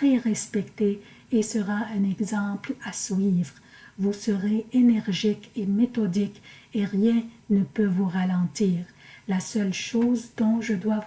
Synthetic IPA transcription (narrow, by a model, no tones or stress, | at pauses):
ʁeʁɛspɛkt̪eː | səʁaɛ̃nɛɡzɑ̃plaswivʁ | vusəʁeenɛʁʒikemet̪ɔd̪ik | eʁjɛ̃nəpøvuʁalɑ̃t̪iːʁlasœlʃoːzd̪ɔ̃ʒəd̪wa